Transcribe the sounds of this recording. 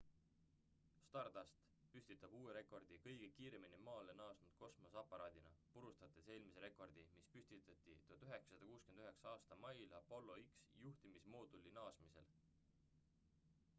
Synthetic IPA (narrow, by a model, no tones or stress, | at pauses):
st̪ɑrd̪ɑst̪ | pysʲt̪it̪ːˑɑb̥uːeɾe̞kˑo̞rd̪̥ikɤjɡ̥e̞kiːɾe̞minemɑːlenɑːsnud̪̥ko̞smo̞sɑpːˑɑɾɑːd̪̥inɑpuɾust̪ɑt̪ːˑe̥se̞ːlmiseɾe̞ko̞rd̪imispysʲt̪it̪ˑɑt̪ːˑḭt̪ut̪yɦe̞kssɑd̪ɑkuːskyend̪yɦe̞ksɑɑːst̪ɑmɑjlɑpo̞lːo̞iksjuht̪imismo̞ːd̪ulːinɑːsmise̞̰l